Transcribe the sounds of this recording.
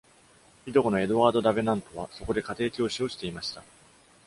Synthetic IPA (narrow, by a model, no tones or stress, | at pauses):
çʲid̪o̞ko̞no̞e̞d̪oβaːd̪o̞d̪abe̞nãnt̪o̞βaso̞ko̞d̪e̞kat̪e̞ːkʲo̞ːɕio̞ːɕi̥t̪e̞imaɕi̥t̪a